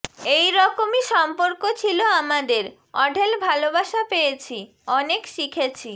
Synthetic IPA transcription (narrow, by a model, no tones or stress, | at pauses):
ejɾɔkomiʃɔmpoɾkot͡ɕʰiloamad̪eɾ | ɔɖʱelbʱalobaʃapejet͡ɕʰi | ɔnekʃikʰet͡ɕʰi